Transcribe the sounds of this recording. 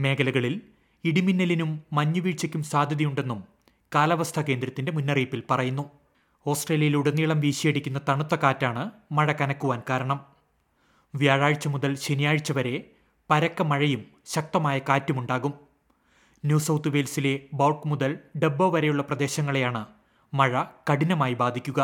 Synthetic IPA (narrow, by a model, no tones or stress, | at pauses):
me̞ːkɐlɐɣɐɭil | iɽiminːɐlinumːɐɲːuʋiːɻt͡ɕɐkʲːumsaːd̪ʱjɐðijuɳɖe̞nːum | kaːlɐʋɐst̪ʰɐke̞ːnd̪ɾɐt̪ːinde̞munːɐriːpːilpɐrɐjunːu | o̞ːsʈre̞ːlijɐjiluɽɐnːiːɭɐmʋiːɕijeɽikʲːunːɐt̪ɐɳut̪ːɐkaːtːaːɳɨmɐɻɐkɐnɐkːuʋaːnkaːɾɐɳɐm | ʋjaːɻaːɻt͡ɕːɐmuðɐlɕenijaːɻt͡ɕːɐʋɐɾe̞ | pɐɾɐkːɐmɐɻɐjum | ɕɐk̚t̪ɐmaːjɐkaːtːumuɳɖaːɣum | njuːsɐwt̪ɨʋeːlsile̞bɐwʈmuðɐlɖebːoːʋɐɾejuɭːɐprɐd̪e̞ːɕɐŋːɐɭejaːɳɨ | mɐɻɐkɐɽinɐmaːjibaːd̪ʱikʲːuɣɐ